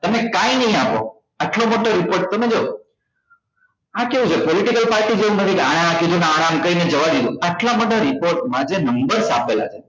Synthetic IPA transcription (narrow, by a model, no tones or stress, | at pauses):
t̪əmekãinəɦĩapo̰ | aʈlomoʈoɾipoɾʈ̚t̪əmed͡ʒo | ãkeũt͡ʃʰepoliʈikəlpaɾʈid͡ʒeũnət̪ʰikaɽ̃ẽãkid̪uneaɽamkəɾined͡ʒəʋad̪id̪ũaʈlaməɖʱaɾipoɾʈmãd͡ʒenəmbəɾsapela̰t͡ʃʰe̥